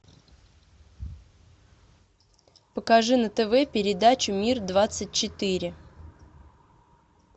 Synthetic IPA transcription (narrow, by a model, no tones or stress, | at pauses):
pəkɐʐɨnət̪ɛvɛpʲɪɾʲɪd̪at͡ɕʊmʲird̪vat̪sɨt̚ʲt͡ɕɪt̪ɨɾʲɪ